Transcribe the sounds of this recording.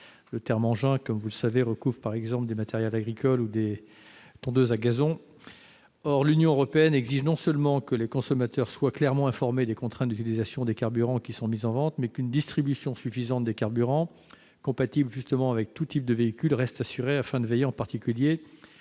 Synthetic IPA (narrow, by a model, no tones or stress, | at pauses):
lət̪ɛʁmɑ̃ʒɛ̃kɔmvuləsaveʁəkuvʁpaʁɛɡzɑ̃pləd̪emat̪ɛʁjɛlaɡʁikʰɔlud̪e | t̪ɔ̃d̪øzaɡazɔ̃ | ɔʁlynjɔ̃øʁɔpeɛnɛɡziʒnɔ̃sœlmɑ̃kəlekɔ̃sɔmat̪œʁswaklɛʁmɑ̃ɛ̃fɔʁmed̪ekɔ̃t̪χɛ̃t̪̚d̪yt̪ilizasjɔ̃d̪ekaʁbyʁɑ̃kʲisɔ̃mizɑ̃vɑ̃t̪mɛkynd̪ist̪χibysjɔ̃sɥyfizɑ̃t̪̚d̪ekaʁbyʁɑ̃ | kɔ̃pat̪ibləʒyst̪əmɑ̃avɛk̚t̪ut̪ip̚d̪əveikʲylʁɛst̪asyʁeafɛ̃d̪əvejeɑ̃paʁt̪ikʲylje